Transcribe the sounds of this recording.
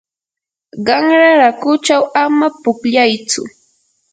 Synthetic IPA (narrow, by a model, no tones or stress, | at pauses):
ɢɑŋɾaɾakʊt͡ʃawamapʊkʎajt͡sʊ̰